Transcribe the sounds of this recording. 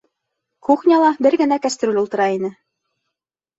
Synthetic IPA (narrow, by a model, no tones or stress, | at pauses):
kuχnʲɑlˠɑbɘɾɡɘ̆nækæst̪ɾolʲulˠt̪ɤ̆ɾɑinɘ